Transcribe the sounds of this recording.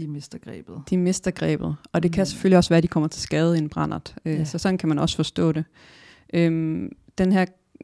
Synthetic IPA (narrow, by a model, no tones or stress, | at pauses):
imesd̥ɐɡ̥ʁɛ̰ːb̥ð̩ˠd̥ime̝sd̥ɐɡ̥ʁɛ̰ːb̥ð̞̩ˠɒ̽d̥e̝kʰæse̥føl̰iɒ̽sʋæːɐd̥ikʰɒ̽m̰ɐt͡sʰe̝lsɡ̥ɛːð̞ˠe̝nb̥ʁɑn̰ɐð̥ˠøsɒ̽sɒ̽n̥n̩kʰæmænɒ̽sə̥fɒ̽sd̥ɔ̰̽ːd̥e̝ | ʔøm | d̥enɦæɐ̰